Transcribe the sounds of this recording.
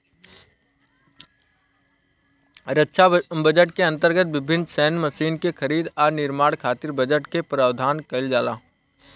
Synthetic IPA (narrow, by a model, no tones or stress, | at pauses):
ɾətːʃʰabɐd͡ʒəʈkeɐ̃nt̪əɾɡət̪̚ʋɪbʱɪnːsɛːnmɐʃiːnkexʰɐɾiːd̪ɔːɾnɪɾmaːɽ̃kʰaːt̪ɪɾbɐd͡ʒəʈkepɾaːʋd̪ʱaːnkɐld͡ʒaːlaː